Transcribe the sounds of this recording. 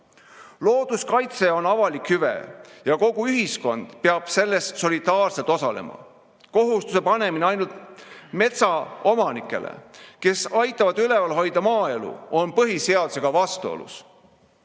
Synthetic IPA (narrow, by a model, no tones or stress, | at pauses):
lo̞ːd̪̥uskɑjt̪se̞o̞nɑvɑlikjyvḛjɑko̞ɡ̥uyɦisko̞nd̪̥peɑb̥se̞lːe̞st̪so̞lid̪ɑːrse̞lt̪o̞sɑle̞̰mɑ̰ | ko̞ɦust̪use̞pɑne̞mineɑjnult̪me̞t̪sɑo̞mɑnikːˑe̞̰lʔḛke̞sɑjt̪ːˑɑvɑd̪yle̞vɑlɦo̞jd̪̥ɑmɑːe̞lṵo̞npɤɦise̞ɑd̪̥u̥se̞ɡ̥ɑvɑst̪uo̞̰lṵs